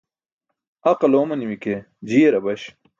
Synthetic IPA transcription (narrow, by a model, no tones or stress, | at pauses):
ɐqɐloːmɐniwike | d͡ʑiːeɾɐbɐɕ